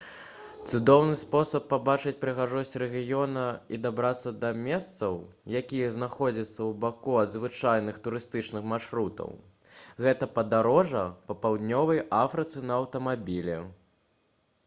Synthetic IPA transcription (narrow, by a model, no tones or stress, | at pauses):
t̪sud̪ɔwnɨspɔsɐpːabat͡ʂɨt͡sʲpɾɨɣaʐɔsʲt͡sʲɾɛɣʲijɔnɐid̪abɾat̪sːɐd̪ɐmʲɛst̪sɐw | jakʲijɐznaxɔd͡zʲɐt̪sːɐwbakuɐd̪zvɨt͡ʂajnɨxt̪uɾɨst̪ɨt͡ʂnɨxmaʂɾut̪ɐ̰w | ɣɛt̪ɐpɐd̪aɾɔʐɐpɐpawd̪ʲnʲɔvɐjʔafɾɨt̪sɨnɐːwt̪ɐmabʲilʲɛ̰